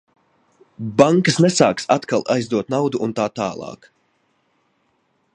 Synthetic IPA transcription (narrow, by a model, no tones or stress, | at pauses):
baŋkəsnɛsaːksat̪kalˠajzd̪uɔt̪̚nawd̪uʔunt̪aːt̪aːlˠɑ̰ːk